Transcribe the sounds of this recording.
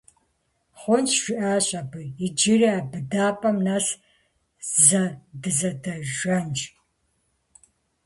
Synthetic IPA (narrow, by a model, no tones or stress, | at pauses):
χʷɔnt͡ʃʒʷɪʔaːɕʼɐbɨɪd͡ʒɪriaːbɨdaːpʼɐmnas | zɐdɨzɐdɐʒɐnt͡ʃʼ